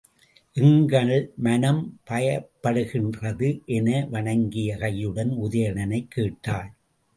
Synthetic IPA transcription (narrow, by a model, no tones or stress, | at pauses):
ʔɪŋɡɐɭmɐnɐmpɐjɐpːɐɽɯɣɪndrɐðɯʔɛnɐʋɐɳɐŋɡɪjɐkɐjɯɽɐnʊðɐjɐɳɐnɐɪkʰːeːʈːaːl